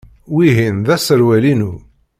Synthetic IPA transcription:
wiɦinðæsəɾwælinu

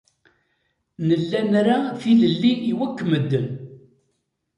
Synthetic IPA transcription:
nəlːænɾaθiləlːiːwækːəməd̪ːən

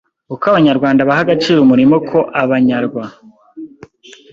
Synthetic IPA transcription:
ukaβaɲaɾɡwaːndaβaɦaɡat͡ʃiːɾumuɾimo̞kʰo̞ʔaβaɲaɾɡwa

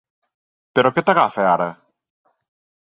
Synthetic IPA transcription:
peɾoket̪aɣafeaɾɐ

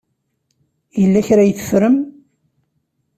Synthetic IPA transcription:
jəlːæçɾajθə̥fɾəm

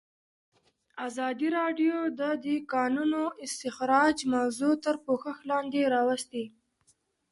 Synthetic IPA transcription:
azɑd̪iɾɑɖjod̪əd̪ikɑnunoɪst̪ɪxɾɑd͡ʒmawzut̪əɾpoxəxlɑnd̪eɾɑwast̪i

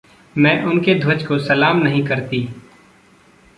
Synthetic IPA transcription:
mɛ̃ːʔʊnked̪ʱʊd͡ʒkosɐlaːmnɐɦĩkɐɾt̪iː

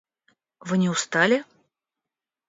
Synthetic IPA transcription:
vɨnʲɪʊst̪alʲɪ

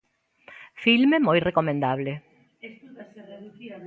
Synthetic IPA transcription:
filmemojrekomẽnd̪aβ̞le

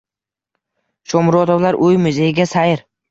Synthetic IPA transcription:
ʃɒmɾɒd̪ɒwlaɾʔʊjmʊzejɪɡʲasajɪɾ

